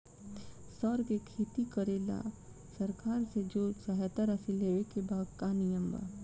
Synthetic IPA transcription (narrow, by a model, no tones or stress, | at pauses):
sɔːɾkekʰeːt̪ikəɾeːla̰ | sɐɾkaːɾsed͡ʒoːsɐɦɛt̪əɾɐsileekebaːd̪kanɪjəmba̰ː